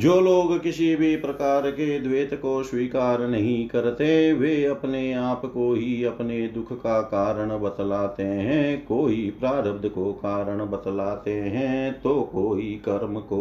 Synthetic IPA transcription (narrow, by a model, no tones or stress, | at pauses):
d͡ʒoːloːɡkɪsibʱipɾɐkaːɾked̪ʋeːt̪koswiːkaːɾnɐɦĩkɐɾt̪eʋeɐpneaːpkoɦiɐpned̪ʊkʰkakaːɾəɽ̃bɐt̪laːt̪eɦɛ̃ːkoːɦipɾaːɾəbd̪ʱkokaːɾəɽ̃bɐt̪laːt̪eɦɛ̃ːt̪okoːɦikɐɾməkoː